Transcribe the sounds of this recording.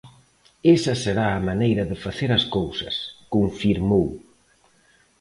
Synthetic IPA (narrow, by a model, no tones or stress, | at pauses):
esɐseɾaːmanejɾɐðɪfaθeɾɐskowsɐ̰skoɱfiɾmow